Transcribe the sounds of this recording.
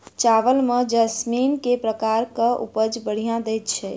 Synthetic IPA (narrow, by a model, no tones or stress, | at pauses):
t͡ʃaʋəlmed͡ʒəsminkepɾəkaɾkəʔṵpəd͡ʒbəɽ̤ijãd̪ɛjt̪t͡ʃʰɛ